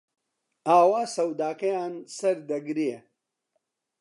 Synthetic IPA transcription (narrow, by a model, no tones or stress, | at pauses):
aːwaːsɐwd̪aːkɐjaːnsɐɾd̪ɐɡɾie